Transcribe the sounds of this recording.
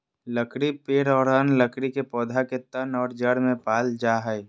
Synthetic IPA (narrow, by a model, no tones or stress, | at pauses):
ləkɾipeːɾɔːɾənləkɾikepɔːd̪ʱaket̪ənɔːɾd͡ʒəɽmẽpaːld͡ʒaɦəj